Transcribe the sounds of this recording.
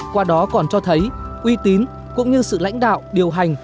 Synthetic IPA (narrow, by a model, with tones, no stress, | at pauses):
kwaː˧ɗɔ˨˦kɔ˨˩nt͡ɕɔ˧t̪ʰə˨˦jʔwi˧t̪i˨˦n | kʊ̰˧˥ŋ͡mɲɨ˧sɨ̰˧˨la̰˧˥jŋ̟ɗa̰ː˧˨wɗi˨˩əwɦa˨˩jŋ̟